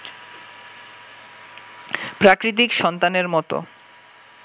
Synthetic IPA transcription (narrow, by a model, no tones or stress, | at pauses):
pɾakɾit̪̬ikʃɔnt̪aneɾmɔt̪o̰